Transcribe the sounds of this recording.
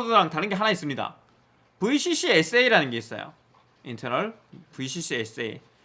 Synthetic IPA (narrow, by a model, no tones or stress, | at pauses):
oɾaŋtaɾɯnɡe̞ɦanais͈ɯmɲida̰ | puiɕʰiɕ͈ʰies͈eiɾanɯnɡe̞is͈ʌ̰jo̰ | intʰeɾʌɭ | puiɕʰiɕʰies͈ḛi